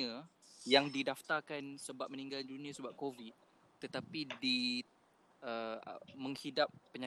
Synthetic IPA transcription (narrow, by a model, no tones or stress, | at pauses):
əjaŋdidaft̪arkansəbap̚mə̃nĩŋɡaldunĩəsəbap̚kovit̪̚ | t̪ːət̪apidi | ʔəə̰mə̃ŋhidap̚ːəɲa